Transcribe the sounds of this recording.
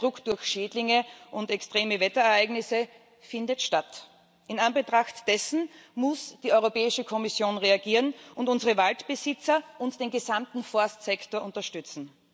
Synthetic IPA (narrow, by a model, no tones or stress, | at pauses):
d̥ʁʊkd̥ʊɐçʃeːdlɪŋəʔʊntɛkstʁ̥eːməvɛtɐɛɐaɪɡnɪsə | fɪndətʃtat | ʔɪnanbətʁ̥axtd̥ɛsn̩mʊsd̥iːɔʏʁopɛːɪʃəkʰɔmɪsjoːnʁeaɡiːʁənʔʊntʊnzəʁəvaltb̥əzɪt͡sɐʔʊntd̥eːnɡəzamtn̩fɔɐstsɛktoɐʔʊ̃ntɐʃtʏt͡sn̩